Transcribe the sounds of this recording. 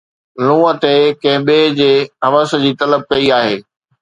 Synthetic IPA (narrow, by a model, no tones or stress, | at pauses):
lũːət̪ekɐ̃ɦɪ̃ɓeːd͡ʑeːɦɐʋəsə̆d͡ʑiːt̪ɐləb̚kɐiaːɦeː